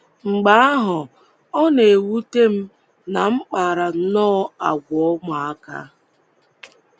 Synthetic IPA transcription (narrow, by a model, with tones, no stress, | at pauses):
ŋ͡m̩˨ɡ͡ba˦a˦ɦʊ˨ | ɔ˦ne˨wu˦te˦m̩˦ | na˨ŋ͡m̩˦k͡paː˨ɾa˨˦nɔː˦a˨ɡʷɔ˦mʊ˨a˦ka̰˦